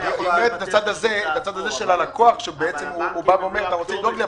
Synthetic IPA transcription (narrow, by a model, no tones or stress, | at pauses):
ulet̪et̪at͡sad̪azeet̪at͡sad̪aze̞ʃe̞lalako̞aχkʃebeet͡se̞muːbaveomeʁanaʁot͡semlid̪oɡle